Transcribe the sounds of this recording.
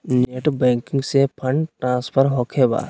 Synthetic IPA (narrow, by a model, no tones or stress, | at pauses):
neːʈbɛ̃ːŋkɪ̃ŋɡsepʰəɳɖʈɾãːspʰəɾɦokʰeba̰ː